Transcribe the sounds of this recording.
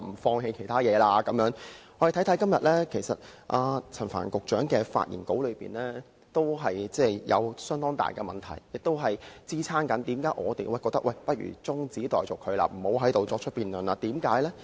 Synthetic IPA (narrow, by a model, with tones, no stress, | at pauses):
m̩˨˩fɔː˧ŋɦe˧jkʰe˨˩jt̪ʰaː˥jɛː˨˧laː˧kɐ˨˥mjœː˨˥ŋɔ˨˧˥je˨˩t̪ʰt̪ʰɐ˨˥jkɐ˥mjɐ˨t̚lɛ˥kʰe˨˩jsɐ̰˨t̚ʔaː˧t͡sʰɐ˨˩nfa̰ː˨˩nkʊ˨k̚t͡ʃœː˨˥ŋkɛː˧fa̰ː˧t̚jʔḭ˨˩nko˨˥wlɵ˨˧piː˨nlɛː˥ | t̪o˥wɦɐ˨jt͡sɛː˥˩jɐ̰˨˧wsœː˥ŋt̪ɔː˥ŋt̪a̰ː˨˩jkɛ˧mɐ˨nt̪ʰɐ˨˩jjɪ˨k̚t̪o˥wɦɐ˨jt͡siː˥t͡sʰaː˥nkɐ˨˥nt̪iː˨˥mkaː˨˧˥jʔɔ̰ː˨˧t̪e˨jwɐ˥˩jkɔː˧k̚t̪ɐ˥kwɐ˥˨jpɐ˥t̚ɥy̰ː˨˩t͡sʊ˥ŋt͡siː˨˥t̪ɔː˨jt͡so˨˩wkʰɵ˨˧la̰ː˧m̩˨˩ho˨˥wɦɐ˨˥jt̪o˨wt͡sɔː˧k̚t͡ʃʰɵ˥t̚piː˨nlœː˨nlaː˧t̪iː˨˥mkaː˨˥jlɛː˥